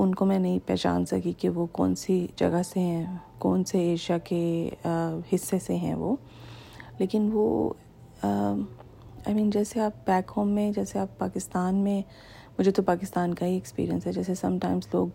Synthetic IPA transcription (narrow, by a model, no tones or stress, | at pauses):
ʊnkomɛ̃nɐɦĩpɛ̰ːt͡ʃa̰ːnsɐ̰kikeʋokɔ̰ːnsid͡ʒɐ̰ɡəseɦɛ̃kɔːnseeːʃijake | hɪsːeseɦɛ̰̃ʋo̰ː | leːkɪnʋo̰ | a̰ɪmĩːnd͡ʒɛːseaːp̚bɛːkhõːmːẽd͡ʒɛːseaːpːaːkɪst̪aːnmẽ | mʊd͡ʒʱet̪opaːkɪst̪aːnkaɦiɛkspḭːɾiə̃nsɦɛd͡ʒɛːsesɐ̃mʈãɪ̃mzlo̰ːɡ